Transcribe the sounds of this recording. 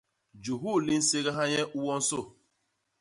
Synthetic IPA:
d͡ʒu˨ɦu˦˨li˦n̩˦se˦ɣa˦ɦa˦ɲe˦ʔu˦wɔ˦n̩˦sʊ˦˨

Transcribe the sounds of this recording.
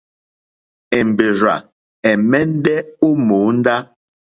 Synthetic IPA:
ɛ˨m˨be˨ɾa̰˨ | ɛ˨mɛ˦n˦dɛ˦o˦mo˨˦n̩˦da˦

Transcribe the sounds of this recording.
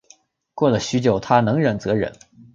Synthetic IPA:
kwɔ˥˩lə˩ɕy˧˥t͡ɕjo˨˩ʊt̪ʰa˥nɤ˧˥ŋɻə˨˩nt͡sɤ˧˥ɻə̰˧˥n

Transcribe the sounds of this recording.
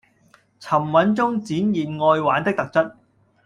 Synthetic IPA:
t͡sʰɐ˨˩mwɐ˨˥nt͡sʊ˥ŋt͡siː˨˥njiː˨n̚ŋɔː˧jwaː˨˥nt̪ɪ˥k̚t̪ɐ˨k̚t͡sɐ˥t̚

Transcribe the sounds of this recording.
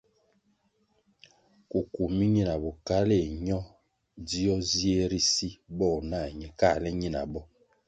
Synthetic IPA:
ku˨ku˨mi˦ɲi˦na˨bɔ˨ka˦le˦˨ɲɔ˦ | di˦ɔ˦zi˦e˦ɾi˦si˦bɔ˦˨na˦˨ɲɛ˨ka˦˨lɛ˦ɲi˦na̰˨bɔ˦

